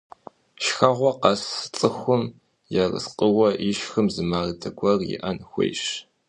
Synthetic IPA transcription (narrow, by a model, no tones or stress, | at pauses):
ʃxɐʁʷɔqɑst͡sʼɨxʷʊm | jɛrɨ̰sqʼəwɐʔiʃxɨmzɨmaːrdʰɐɡʷʼɐrjɪ̰ʔɐnxʷḛjʃ